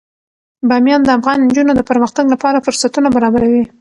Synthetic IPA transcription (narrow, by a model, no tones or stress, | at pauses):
bɑmjɑnd̪əafɣɑnnd͡ʒunod̪əpəɾməxt̪aɡlapɑɾafʊɾsat̪unabaɾɑbaɾawi